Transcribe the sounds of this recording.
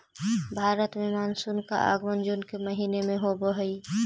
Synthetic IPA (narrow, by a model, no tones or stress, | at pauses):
bʱaːɾət̪mẽmaːnsunka̰ʔa̰ɡmənd͡ʒunkeməɦiːnemẽɦobəɦəi